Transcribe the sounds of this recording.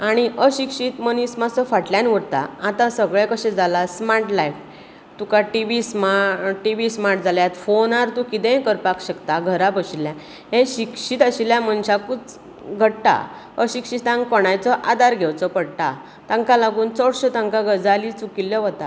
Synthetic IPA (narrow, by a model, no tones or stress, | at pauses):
aɽ̃iʔəɕikɕit̪mənismasɔfaʈljãnʋəɽt̪a̰at̪ãsəɡɭẽkəɕẽd͡zalasmaʈlajf | t̪ukaʈiʋismaʈiʋismaʈd͡zʱaljat̪fonaɾt̪ũkit̪ẽkəɾpakɕəkt̪aɡʱəɾapəɕiljã | ɦẽɕikɕit̪əɕiljamənɕakut͡s | ɡʱəɽʈa̰ | əɕikʂit̪ãŋkɔɽ̃ajt͡sɔʔad̪aɾɡʱewt͡sɔpəɽʈ̪a | t̪ãŋkalaɡuːnt͡sɔɽɕət̪ãŋkaɡəd͡zalit͡sukiljɔʋɔt̪a